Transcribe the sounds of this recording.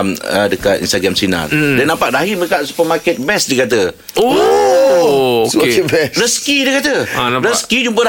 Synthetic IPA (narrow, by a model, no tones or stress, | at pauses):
mə̰dəkat̪ḭnst̪aɡɾamsina̰ldanampaʔ̚daɦiməəkaʔsu̥pəmaket̪̚bɛsdikat̪̬ə | o | bɛɾəskidikat̪əɾəskid͡ʒumpəda